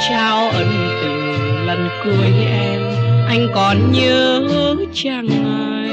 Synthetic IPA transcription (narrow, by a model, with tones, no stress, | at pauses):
t͡ɕaː˧wʔə˧˩n˨˩t̪ɨ̰˧˨ŋlə˨˩nku˧˩əjʔɛ˧mʔa˧jŋ̟kɔ˨˩nɲə˧həː˧˦ | t͡ɕaː˧˩ŋnɔ˨